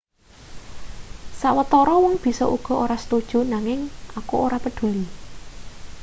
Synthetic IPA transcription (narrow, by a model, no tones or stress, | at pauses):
saʔwət̪ɔɾɔwɔŋb̥i̤sɔ̰ʔuɡ̥ɔ̤oɾasə̥t̪ud̥ʒ̥ṳnaŋɪŋakuoɾapəɖ̪̥ṳli